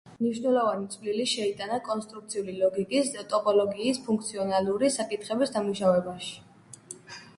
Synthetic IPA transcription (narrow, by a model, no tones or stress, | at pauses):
mniʃvnɛlˠɔvanit̪sʰʼvliliʃɛit̪ʼanakʼɔnst̪ʼɾuk̚t̪sʰiulilɔɡikʼisd̪at̪ʼɔpʼɔlɔɡiːspʰuŋkʰt̪sʰiɔnaluɾisakʼit̪ʰχɛbisd̪amuʃavɛbaʃi̥